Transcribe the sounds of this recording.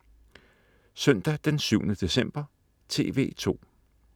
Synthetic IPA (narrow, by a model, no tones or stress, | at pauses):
sœn̰d̥æd̥ensyʊ̰nəd̥e̝sem̰b̥ɐ | t͡sʰe̝ːʋe̝̰ːt͡sʰo̝̰ː